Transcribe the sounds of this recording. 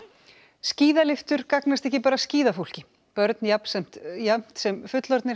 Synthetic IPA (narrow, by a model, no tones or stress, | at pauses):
sciːðalɪft̪ʏɾ̥kaknast̪ɛhcɪpaːɾasciːðaful̥cɪ | pœɾt̪njapn̥sɛm̥t̪jam̥t̪sɛmfʏt̪lɔɾt̪nɪ